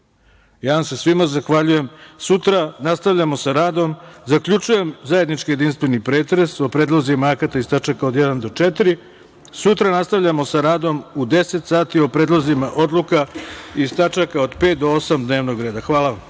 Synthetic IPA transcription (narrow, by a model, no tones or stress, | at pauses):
jaːʋamse̞sʋimazaxʋaʎuje̞msut̪ɾanast̪aʋʎamo̞saɾaːd̪o̞mzakʎut͡ʃuje̞mzaje̞d̪nit͡ʃkije̞d̪inst̪ʋenipɾe̞ːt̪ɾe̞sopɾe̞ːd̪lˠozimaakat̪aist̪at͡ʂakaod̪jed̪and̪o̞t͡ʂet̪iɾi | sut̪ɾanast̪aʋʎamo̞saɾaːd̪o̞mud̪e̞set̪saːt̪iopɾe̞ːd̪lˠozimaʔo̞d̪lˠukaist̪at͡ʃakaod̪pe̞ːt̪̚d̪oo̞samd̪ne̞ːʋno̞ɡɾe̞ːd̪axʋaːlaʋam